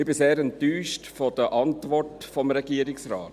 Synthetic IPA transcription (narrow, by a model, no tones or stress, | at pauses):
ɪbɪseːɾɛntyːʃtfɔd̥əʔɑntʋɔɹtfɔmɾɛɡ̥iːəɾɪksɾɑ̰ːt